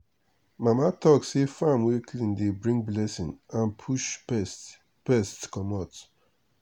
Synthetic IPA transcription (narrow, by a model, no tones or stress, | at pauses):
mamatɔksefamwekʰlĩndebɹĩŋɡ̚blɛsĩnãnpʰuʃbɛs | pɛstkɔmɔt